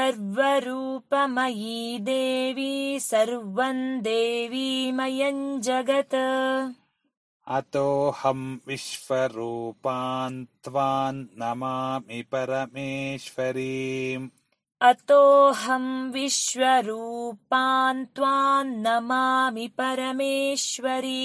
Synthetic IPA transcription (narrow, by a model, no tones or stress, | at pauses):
sɐɾʋɐɾuːpɐmɐjid̪eːʋisɐɾʋɐnd̪eːʋimɐjɐɲd͡ʒɐɡɐt̪ | ɐ̰t̪oːhɐmʋiʃʋɐɾuːpaːnt̪ʋaːnnɐmaːmipɐɾɐmeːʃʋɐɾiːm | ɐt̪oːɦɐmʋiʃʋɐɾuːpaːnt̪ʋaːnnɐmaːmipɐɾɐmeːʃʋɐɾi